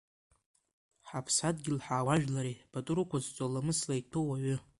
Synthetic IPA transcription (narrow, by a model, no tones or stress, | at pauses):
ħapʰsad̚ɡʲɪlħaːwaʒᶣlaɾib̥atʼuɾukʷazt͡sʷʼalamɨslajtʰowaɥʏ